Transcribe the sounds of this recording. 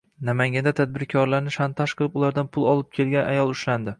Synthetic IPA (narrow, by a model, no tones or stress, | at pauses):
namaŋɡʲand̪at̪ʰad̪̚bɪɾkʲʰɒɾlaɾnɪʃant̪ʰaʃqʰɨlˠɪpʊlˠaɾd̪anpʰʊlˠɒlˠɪp̚kʲʰe̞lɡʲana̰jɒlˠʊʃland̪ɪ